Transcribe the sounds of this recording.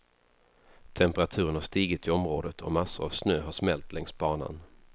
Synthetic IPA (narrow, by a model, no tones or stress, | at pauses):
t̪ʰɛmpəɾat̪ʰʉ̟ːɾəɳhaʂt̪iːɡət̪ʰɪɔmɾoːd̪ət̪ʰɔmasːʊɾa̰vsnøːɦaʂmɛlt̪lɛŋsbɑːna̰n